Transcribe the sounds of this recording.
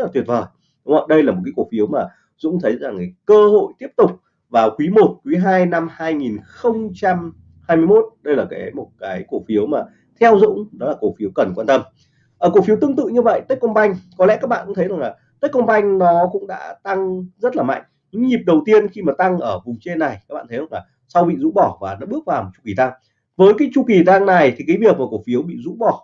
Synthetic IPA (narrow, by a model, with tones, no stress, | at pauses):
a˨˩t̪wi˨˩t̚vəː˨˩j | ɗŋ͡mə˧˩ɗə˧jlaː˨˩mo˨˩kaː˨˦kwfi˨˦əwmaː˨˩ | zʊ̰˧˥ŋ͡mt̪ʰə˨˦jza˨˩ŋ˨˦kəː˧ho̰˧˨jt̪i˦˥əp̚t̪ʊ˨˩k͡p̚ | vaː˨˩wkwi˨˦mo˨˩t̚kwi˨˦ɦaː˧jna˧mhaː˧jŋi˨˩nxə˧wŋ͡mt͡ɕa˧m | haː˧jmɨ˧jmo˦˥t̚ɗə˧jlaː˨˩kaː˨˦jmo˨˩t̚kaː˨˦jko˧˩fi˨˦əwmaː˨˩ | t̪ʰɛ˧wzʊ̰˧˥ŋ͡mɗɔ˨˦laː˨˩ko˧˩fi˨˦əwkə˨˩nkwaː˧nt̪ə˧m | ʔəː˧˩ku˧˩fi˨˦əwt̪ɨ˧əŋt̪ɨ̰˧˨ɲɨ˧və̰˧˨jt̪əː˦˥k̚kə˧wŋ͡mɓa˧jŋ̟kɔ˨˦lɛ̰˧˥kaː˦˥k̚ɓa̰ː˧˨kt̪ʰza˨˩ŋlaː˨˩t̪əː˦˥k̚kə˧wŋ͡mɓa˧jŋ̟nɔ˨˦kʊ̰˧˥ŋ͡mɗa̰ː˧˥t̪a˧ŋzə˦˥t̚laː˨˩ma̰˧˨ŋ̟ | ɲɨ̰˧˥ŋɲi˨˩p̚ɗə˨˩wt̪i˧ənxi˧maː˨˩t̪a˧ŋʔəː˧˩vʊ˨˩ŋ͡mt͡ɕe˧nːa˨˩jkaː˦˥ɓa̰ː˧˨t̪ʰza˨˩laː˨˩ | sa˧wɓḭ˧˨zṵ˧˥ɓɔ˧˩vaː˨˩na̰ː˧˥ɓɨ˦˥ək̚vaː˨˩wm̚˨˩t͡ɕu̥˧ki˧˩t̪a˧ŋ | vəː˨˦jkaː˨˦jt͡ɕu˧˩ki˨˩t̪a˧ŋna˨˩jt̪ʰi˨˩ka˨˦jvi˨˩ək̚maː˨˩ko˧˩fi˨˦əwɓḭ˧˨zṵ˧˥ɓɔ˧˩